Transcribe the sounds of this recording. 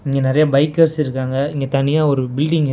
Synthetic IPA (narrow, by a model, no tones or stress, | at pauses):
ɪŋɡenɪɾɐjɐbɐɪkːɐɾsɪɾɯkːaːŋɡɐɪŋɡet̪ɐnɪjaːɔɾɯbɪlɖɪŋɪ